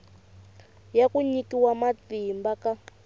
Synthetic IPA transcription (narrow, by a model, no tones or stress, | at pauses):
jakuɲikiwamatimbaka